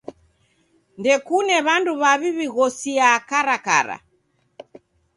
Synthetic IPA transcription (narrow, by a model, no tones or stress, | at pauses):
ndɛkunɛβanduβaβiβiɣɔsiakaɾaka̰ɾa̰